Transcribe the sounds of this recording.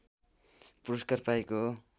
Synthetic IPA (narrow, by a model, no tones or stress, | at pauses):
puɾʌskarpajko